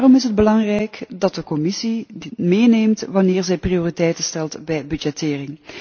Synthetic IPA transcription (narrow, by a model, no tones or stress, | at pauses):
rɔmɪsɦəd̚bəlɑŋrɛjkdɑt̚dəkɔmɪsimeːneːmtʋɑnɪːrzɛjprioːritɛjtənstɛlˠtbɛjbyd͡ʒɛtɪːrɪŋ